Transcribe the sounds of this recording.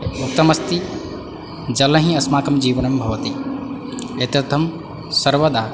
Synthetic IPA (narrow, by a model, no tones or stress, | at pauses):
uk̚t̪ɐmɐst̪i | d͡ʒɐlɐɦĩɐsmaːkɐmd͡ʒiːʋɐnɐmbʱɐʋɐt̪i | et̪ɐt̪ʰɐm | sɐɾʋɐd̪aː